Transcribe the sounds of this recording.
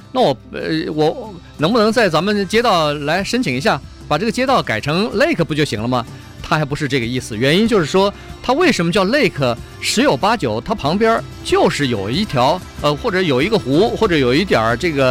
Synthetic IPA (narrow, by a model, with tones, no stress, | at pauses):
na˥˩wɔ˨˩˧wɔ˧˩˥ | nɤ˧˥ŋpu˧nɤ˧˥ŋt͡sa˥˩ɪt͡sa˧˥nmə˧˨nt͡ɕjɛ˥t̪ɑ˥˩ʊla˧˥ɪʂə˥nt͡ɕʰi˨˩ŋi˧˥ɕja˥˩ | pa˨˩ʈ͡ʂɤ˥˩ɡə˩t͡ɕjɛ˥t̪ɑ˥˩ʊka˨˩ɪʈ͡ʂʰɤ˧˥ŋle˥˩ɪkʰɤ˧˩pu˧˥t͡ɕjo˥˧˩ɕḭ˧˥ŋlə˧mɐ˧ | t̪ʰa˥˧˥pu˧˥ʂɻ̩˧ʈ͡ʂɤ˥˩ɡə˩i˥˩sɹ̩˩ɥɛ˧˥ni˥nt͡ɕjo˥˧ʊʂɻ̩˥˩ʂwɔ˥t̪ʰa˥we˥˩ɪʂə˧˥nmə˧t͡ɕjɑ˥˧ʊle˥˧ɪkʰɤ˥˩ | ʂɻ̩˧˥jo˨˩ʊpa˥t͡ɕjo˨˩˦ʊt̪ʰa˥pʰɑ˧˥ŋpjə˥ | t͡ɕjo˥˧ʊʂɻ̩˥˩jo˨˩ʊi˧˥t̪ʰjɑ˧˥ʊə˧xwɔ˥˩ʈ͡ʂɤ˧˥jo˨˩ʊi˧˥ɡə˧xu˧˥xwɔ˥˩ʈ͡ʂɤ˧˥jo˨˩ʊi˧˥t̪jɐ̰˞˨˩˦ʈ͡ʂɤ˥˩ɡə˩